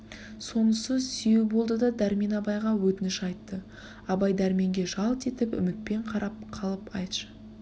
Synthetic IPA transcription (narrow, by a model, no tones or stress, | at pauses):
so̞nəsəzsʏjubo̞lˠd̪əd̪ɑd̪æɾmenɑbɑjʁɑwɵt̪ɪnɪʃɑjt̪ːə | ɑbɑjd̪æɾme̞ŋɡʲe̞ʒɑlˠt̪e̞t̪ɪpʏ̰mɪt̪̚pe̞ɴqʰɑɾɑp̚qʰɑlˠəpɑjt̪ʃə̥